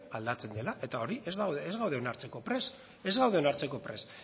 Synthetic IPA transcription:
ald̪at͡se̞nd̪e̞laʔe̞t̪ao̞ɾiʔezðaezɣawðe̞onaɾt͡se̞ko̞pɾes | e̞zɣawðe̞o̞naɾt͡se̞ko̞pɾe̞s

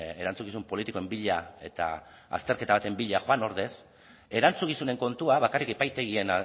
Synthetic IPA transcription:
e̞ɾant͡suɣisumpo̞lit̪ikoe̞mbiʎae̞t̪a̰ | a̰st̪e̞ɾke̞t̪aβat̪e̞mbiʎaxoano̞ɾðe̞s | e̞ɾant͡suɣisune̞ŋko̞nt̪uaβ̞akarikepajt̪e̞ɣie̞n

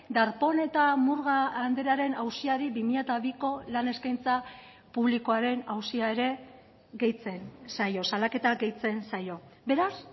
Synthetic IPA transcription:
d̪aɾpo̞ne̞t̪amuɾɣaːnd̪e̞ɾaɾe̞nawsiaɾiβimiʎat̪aβiko̞lane̞skajnt͡sa | puβliko̞aɾe̞nawsiae̞ɾe̞ | ɣe̞jt͡se̞nsajo̞salake̞t̪aɡe̞jt͡se̞nsajo̞be̞ɾas

